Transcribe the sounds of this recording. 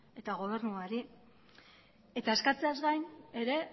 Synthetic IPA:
e̞t̪aɣ̞o̞β̞e̞ɾnuaɾi | e̞t̪aeskat͡seazɣajne̞ɾe̞

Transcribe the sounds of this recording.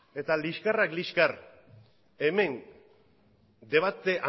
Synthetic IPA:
e̞t̪aliʃkarakliskar | e̞me̞n | d̪e̞β̞at̪eʔa

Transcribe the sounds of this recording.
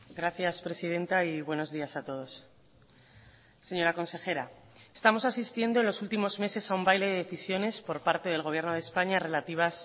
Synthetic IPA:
ɡɾaθjaspɾe̞sið̞e̞nt̪aiβwe̞no̞zðiasat̪o̞ð̞o̞s | se̞ɲo̞ɾako̞nse̞xe̞ɾa | est̪amo̞sasist̪je̞nd̪oe̞nlo̞sult̪imo̞zme̞se̞saumbajle̞ðeðeθisjo̞ne̞spo̞ɾpaɾt̪e̞ð̞elɣ̞o̞β̞je̞ɾno̞ð̞espaɲare̞lat̪iβ̞as

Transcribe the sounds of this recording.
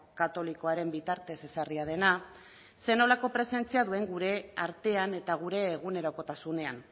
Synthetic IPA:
kat̪o̞liko̞aɾe̞mbit̪aɾt̪e̞se̞sariað̞e̞na | se̞no̞lako̞pɾe̞se̞nt͡siaðue̞ŋɡuɾe̞aɾt̪e̞ane̞t̪aɣ̞uɾe̞ːɣ̞une̞ɾo̞ko̞t̪asune̞an

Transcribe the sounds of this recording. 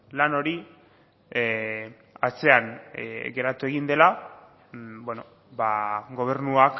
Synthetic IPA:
lano̞ɾi | at͡se̞anɡe̞ɾat̪ue̞ɣ̞ind̪e̞la | bweno | baɡo̞β̞e̞ɾnuak

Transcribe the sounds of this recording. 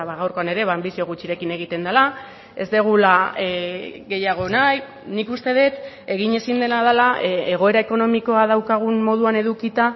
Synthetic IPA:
βaɣawɾko̞ane̞ɾe̞βaːmbisio̞ɣ̞ut͡ʃiɾe̞kine̞ɣ̞it̪e̞nd̪ala | e̞zd̪e̞ɣ̞ula | ɣe̞jaɣ̞o̞naj | nikust̪e̞ð̞e̞t̪ | eɣ̞iɲe̞sind̪e̞naðalaʔeɣo̞e̞ɾae̞ko̞no̞miko̞að̞awkaɣ̞unmo̞ð̞uane̞ðukit̪a

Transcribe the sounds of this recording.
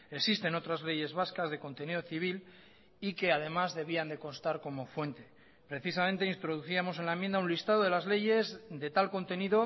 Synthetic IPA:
eksist̪e̞no̞t̪ɾazle̞ʝe̞zβaskazðe̞ko̞nt̪e̞nið̞oθiβ̞il | ike̞að̞e̞mazðe̞βiand̪e̞ko̞nst̪aɾko̞mo̞fwe̞nt̪e̞ | pɾe̞θisamẽnt̪e̞int̪ɾo̞ð̞uθiamo̞s̬e̞nlaemjenaũnlist̪að̞o̞ðe̞lazle̞ʝe̞zd̪e̞t̪alko̞nt̪e̞niðo̞

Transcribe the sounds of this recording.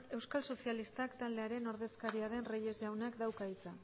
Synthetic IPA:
e̞wskalso̞sialist̪akt̪ald̪e̞aɾe̞no̞ɾðe̞skaɾiaɾe̞nreje̞zʝawnakd̪awkait͡sa

